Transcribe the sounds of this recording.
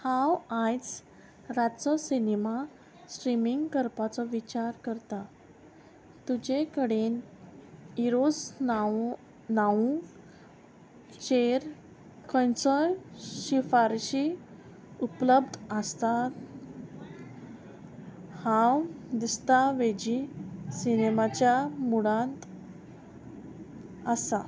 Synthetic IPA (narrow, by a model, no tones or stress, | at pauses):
hawãjt͡s | ɾat̪t͡sɔsinima | sʈɾimiŋɡkəɾpat͡sɔʋit͡ɕaɾkəɾt̪a | t̪ud͡ʑekəɽen | iɾos | naũ | t͡ɕeɾ | kə̃nsəlɕifaɾɕi | upləbd̪ʱəst̪a | hãwd̪ist̪aʋed͡ʑisinemat͡ɕjamuɽãnt̪ | əsa